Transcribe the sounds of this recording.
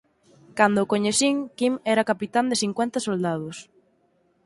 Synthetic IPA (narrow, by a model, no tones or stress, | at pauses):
kand̪ʊkoɲeθiŋkimɛɾɐkapit̪and̪eθiŋkwɛnt̪ɐsold̪að̞ʊs